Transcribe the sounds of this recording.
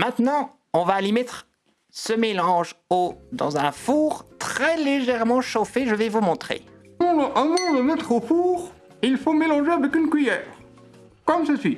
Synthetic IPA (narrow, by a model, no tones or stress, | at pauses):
mɛ̃t̪nɑ̃ | ɔ̃vaːlemɛt̪χ | səmelɑ̃ʒod̪ɑ̰̃zɛ̃fuːʁt̪χɛleʒɛʁmɑ̃ʃofeʒəvɛvumɔ̃t̪χḛ | ɔ̃ʔə̃mɔ̃ləmɛt̪χofuːʁ | ilfomelɑ̃ʒeavɛkynkɥijɛːʁ | kɔmsəsɥi